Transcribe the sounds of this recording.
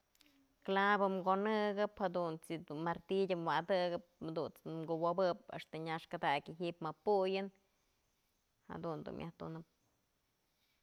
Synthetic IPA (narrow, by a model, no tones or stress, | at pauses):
klabɨmɡonɨɡɨphad̪unt͡sid̪unmaɾt̪idʲɨmwad̪ɨɡɨp̚ad̪unt͡smɡuwobɨpḛʂt̪aɲaʂkad̪akʲɨɦiʔpmapujɨn | ha̰d̪und̪ṵmja̰ht̪unɨp̚